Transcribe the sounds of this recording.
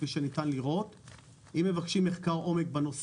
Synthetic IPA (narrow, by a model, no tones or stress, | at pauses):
viʃenitanliʁo̞t | imːe̞vakʃimːeχkaʁo̞me̞k̚beno̞s